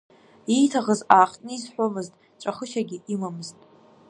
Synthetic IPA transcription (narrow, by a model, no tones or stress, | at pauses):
ijtʰaʁəzaːχtʼnɨizħʷomɨztʼ | ʈ͡ʂʷʼaχəʃaɡʲɪimamɨztʼ